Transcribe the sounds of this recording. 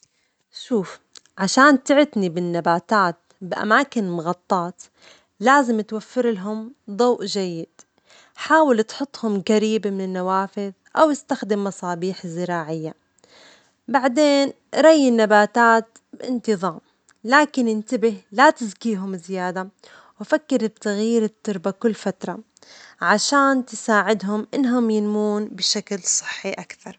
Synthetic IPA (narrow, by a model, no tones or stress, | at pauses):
ʃuːfʕaʃaːnt̪ɪʕɪt̪nibɪnːabaːt̪aːt̪̚ | bɪʔa̰maːkɪnmʊɣɑt̪ˤːɑːt̪ | laːzɪmt̪wafːɪɾlaɦʊmd̪ˤɑːʔd͡ʒajːɪd̪̥ | ħaːwɪlt̪ħʊt̪ˤːhʊmɣaɾiːbamɪnɪnːawaːfɪð | ʔawɪst̪axd̪ɪmːɑsˤɑːbiːħzːɪɾɑːʕɪjːa | baʕd̪eːn | ʔɾˤɑjːɪnːabaːt̪aːt̪ | bʔɪnt̪ɨðˤɑːm | laːkɪnɪnt̪abɪhlat̪ɪzkiːɦʊmɪzɪjaːd̪a | wfakːɪɾt̪ːaɣjiːɾɪt̪ːʊɾˤbakʊlːfat̪ɾˤɑ | ʕaʃaːnt̪ɪsaːʕɪd̪ɦʊmʔɪnːɦʊmjɪnmuːnbɪʃaklsˤɨ̥ħːiʔakθɑɾˤ